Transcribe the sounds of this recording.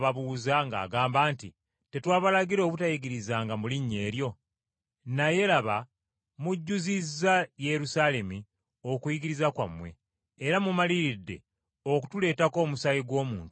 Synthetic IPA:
βaβuːzaŋɡa̰ːɡaːmbaːntḭ | te̞twaːβalaɡiɾo̞βutajiɡiɾizaːŋɡamuliɲːe̞ːɾjo̞ | naje̞laβa | muɟːuzizːaje̞ɾusaːle̞mi | o̞kujiɡiɾizakwa̰mwe̞̰ː | ɾamumaliɾidːe̞̰ | ok̬u̥tule̞ːtako̞ːmusajiɡwo̞ːmuːntu

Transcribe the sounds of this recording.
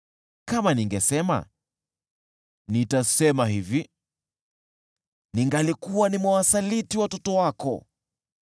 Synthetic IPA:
kamaniŋɡɛsɛma̰ | nitasɛmaɦivi | niŋɡalikuwanimwawasalitiwatɔtɔwakɔ̰

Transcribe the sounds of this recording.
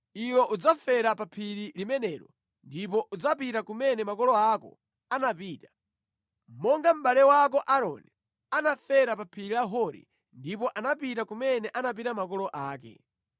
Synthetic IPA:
iwɔʔud͡zafɛɾapapʰiɾilimɛnɛːɾɔ̰ | ndipɔʔud͡zapitakumɛnɛmakɔlɔakɔ̰ | anapiːta | mɔŋɡam̩ɓalɛwakɔʔaɾɔ̰ni | anafɛɾapapʰiɾilaɦɔɾḭ | ndipɔʔanapitakumɛnɛʔanap̬itamakɔlɔʔaːkɛ̰

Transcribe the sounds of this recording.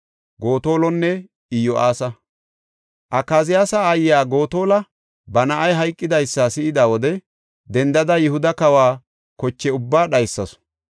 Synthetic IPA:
ɡo̞ːt̪o̞ːlɔnːɛ | ɪjɔʔaːsɐ | ʔɐkːaːzɪjaːsɐːjːaːɡo̞ːt̪o̞ːlɐ | bɐnɐʔɐjɦɐjkʼːɪd̪ɐjsːaːsɪɪd̪aːwɔd̪ɛ | d̪ɛnd̪ɐd̪ɐjɪhʊd̪ɐkɐwaː | kɔt͡ʃːɛʊbːaːɗɐjsːɐsɔ̥

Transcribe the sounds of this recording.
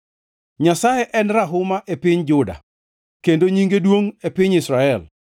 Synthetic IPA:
ɲasajɛʔɛnɾaɦʊmaʔepɪɲd͡ʒʊda̰ | kendoɲiŋɡedwoŋepɪɲɪsɾaɛl

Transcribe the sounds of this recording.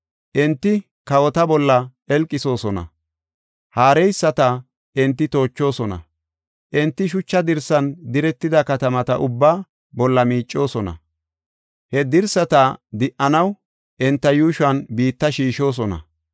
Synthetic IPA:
ʔɛnt̪ːɪ | kɐwɔt̪ɐbɔlːɐɛlkʼːɪso̞ːsɔnɐ̰ | haːɾɛjsːɐt̪ɐ | ɛnt̪ːɪt̪o̞ːt͡ʃːo̞ːsɔnɐ̰ | ʔɛnt̪ːɪʃʊt͡ʃːɐd̪ɪɾsɐnd̪ɪɾɛt̪ːɪd̪ɐkɐt̪ɐmɐt̪ɐʔʊbːaː | bɔlːɐmiːt͡ʃʼːo̞ːsɔnɐ̰ | hɛd̪ɪɾsɐt̪ɐd̪ɪʔːɐnɐw | ʔɛnt̪ːɐjuːʃʊɐnbiːt̪ːɐʃiːʃo̞ːs̬ɔnɐ̰

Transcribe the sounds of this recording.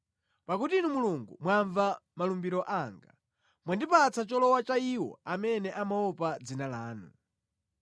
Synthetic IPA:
pakutinumuluŋɡṵmwaɱvamalumbiɾɔʔaŋɡa | mwandipat͡sat͡ʃɔlɔwat͡ʃaiwɔ̰amɛnɛʔamaɔpad͡zinalaːnṵ

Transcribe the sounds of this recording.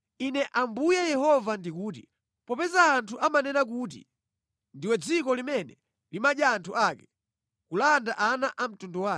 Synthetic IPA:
inɛʔambujɛjɛhɔvandikuːt̬ḭ | pɔpɛzaːntʰuʔamanɛnak̬uːt̬ḭ | ndiwɛd͡zikɔlimɛnɛ | limaɗjaːntʰuʔaːkɛ | kulandaʔanaʔam̩tundɔwaː

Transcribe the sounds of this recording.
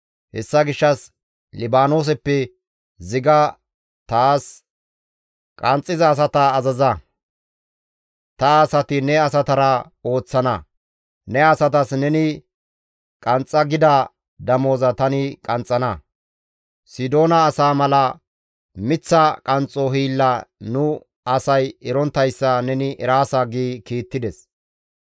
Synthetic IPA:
hɛ̰sːɐɡɪʃːɐs | lɪbaːnoːs̬ɛpːɛ | zɪɡɐ | t̪aːs | kʼɐnt͡sʼːɪzɐːs̬ɐt̪ɐːzɐzɐ | t̪ɐːsɐt̪ɪnɛɐsɐt̪ɐɾɐ | o̞ːt͡sːɐnɐ | nɛɐsɐt̪ɐsnɛnɪ | kʼɐnt͡sʼːɐɡɪd̪ɐ | d̪ɐmo̞ːzɐt̪ɐnɪkʼɐnt͡sʼːɐnɐ | sɪd̪o̞ːnɐːsaːmɐlɐ | mɪt͡sːɐkʼɐnt͡sʼɔɦiːlːɐnʊ | ɐsɐjɪɾɔnt̪ːɐjsːɐnɛnɪʔɛɾaːsɐɡiːkiːt̪ːɪd̪ɛs

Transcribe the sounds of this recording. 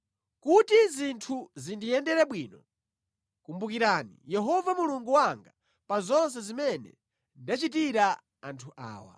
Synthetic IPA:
kutizintʰuzindijɛndɛɾɛɓwiːnɔ | kumbukiɾanḭjɛɦɔvamuluŋɡuwaŋɡa | pazɔnsɛzimɛnɛ̰ | ndat͡ʃit̬iɾa | antʰuʔa̰ːwa̰

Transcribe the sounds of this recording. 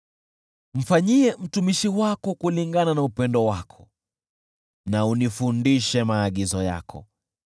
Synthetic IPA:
m̩faɲiɛm̩tumiʃiwakɔkuliŋɡananaupɛndɔwakʰɔ̥ | naunifundiʃɛmaːɠizɔja̰kʰɔ̰

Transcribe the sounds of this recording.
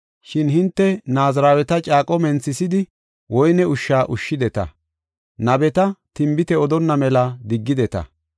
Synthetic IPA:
ʃɪnhɪnt̪ːɛnaːzɾaːwɛt̪ɐt͡ʃʼaːkʼɔmɛnt͡sɪsɪd̪ɪ | wʔɔjnɛʊʃːaːʔʊʃːɪd̪ɛt̪ɐ̰ | nɐbɛt̪ɐt̪ɪmbɪt̪ɛɔd̪ɔnːɐmɛlɐd̪ɪɡːɪd̪ɛt̪ɐ̰

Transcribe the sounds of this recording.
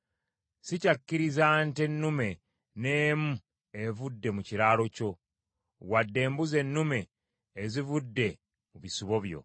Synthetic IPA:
sicakːiɾizantenːume̞ | neːmu | evudːe̞muciɾaːlo̞co̞ | wadːe̞ːmbuze̞nːume̞ː | zivudːe̞ | muβisuβo̞βjo̞̰

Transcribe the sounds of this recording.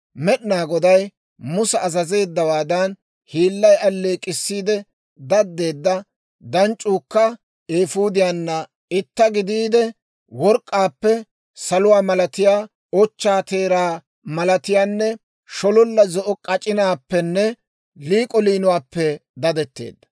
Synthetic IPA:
mɛɗnaːɡɔd̪ɐj | mʊsɛːzɐze̞ːd̪ːɐwaːd̪ɐn | hiːlːɐjɐlːeːkʼːɪsːiːd̪ɛ | d̪ɐd̪ːe̞ːd̪ːɐ | d̪ɐnt͡ʃʼːuːkːɐ | eːfuːd̪ɪjaːnːɐ | ɪt̪ːɐɡɪd̪iːd̪ɛ | wɔɾkʼːaːpːɛ | sɐlʊwaːmɐlɐt̪ɪjaː | ɔt͡ʃːaːt̪e̞ːɾaː | mɐlɐt̪ɪjaːnːɛ | ʃɔlɔlːɐzɔʔɔkʼɐt͡ʃʼɪnaːpːɛnːɛ | liːkʼɔliːnʊwaːpːɛd̪ɐd̪ɛt̪ːe̞̰ːd̪ːɐ̥

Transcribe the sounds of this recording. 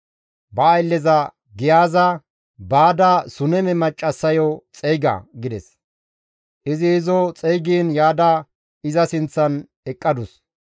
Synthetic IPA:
bɐːjlːɛzɐ | ɡɪjaːzɐ | baːd̪asʊnɛmɛmɐt͡ʃʼːɐsːɐjɔt͡sʼɛjɡɐ̰ɡɪd̪ɛ̰s | ʔɪzɪːzɔt͡sʼɛjɡiːnjaːd̪a | ɪzɐsɪnt͡sːɐn | ɛkʼːɐd̪ʊs

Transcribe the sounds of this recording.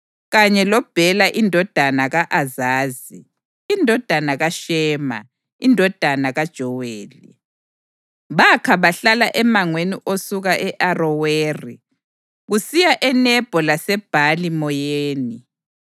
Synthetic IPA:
ɣaɲɛlɔb̥ʱɛlaʔindʱɔd̥ʱanaɣaʔazaːziː | ndʱɔd̥ʱanaɣaʃɛːma̰ | indʱɔd̥ʱanaɣad̥ʒ̥ʱɔweːli | βakʰaβaɬalaʔɛmaŋweniʔosuɣaʔɛʔarɔweːri | ɣusijaʔɛnɛb̥ʱɔlasɛb̥ʱalimɔjeːni

